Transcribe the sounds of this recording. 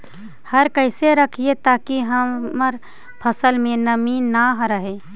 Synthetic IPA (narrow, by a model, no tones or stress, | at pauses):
həɾkəɪseɾəkʰiet̪aːkiɦəməɾ | pʰəsəlmẽnəminaɦɾəɦe